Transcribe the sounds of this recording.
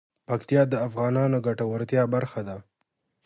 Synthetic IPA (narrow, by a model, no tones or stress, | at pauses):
pakt̪ijɑd̪əafɣɑnɑnoɡaʈawaɾt̪jɑbaɾxad̪a